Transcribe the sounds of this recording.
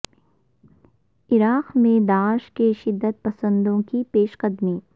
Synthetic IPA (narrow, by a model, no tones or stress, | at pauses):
ɪɾaːqmẽd̪aːʃkeʃɪd̪ːət̪̚pɐsə̃nd̪õkipeːʃqəd̪miː